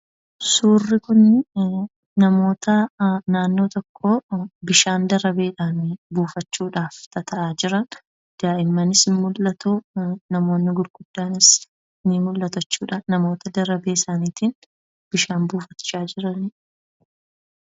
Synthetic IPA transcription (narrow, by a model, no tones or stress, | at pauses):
suːrːɪkʊnːɪ | nɐmo̞ːt̪ɐnaːnːo̞ːt̪ɔkʰːo̞ːbɪʃaːnd̪ɐɾɐbe̞ːᶑaːnbuːfɐt͡ʃːuːᶑaːft̪ɐt̪ʰɐʔaːd͡ʒɪɾɐn | d̪̥aːʔɪmːɐnɪsɪmʊlːɐt̪unɐmo̞ːnːɪɡʊɾɡ̥ʊd̪̥ːaːnɪs | nimʊlːɐt̪ɐt͡ʃːuːᶑaːnɐmo̞ːt̪ɐd̪ɐɾɐbe̞ːɪsaːniːt̪iːn | b̥ɪʃaːmbuːfɐt͡ʃːaːd͡ʒɪɾɐnɪ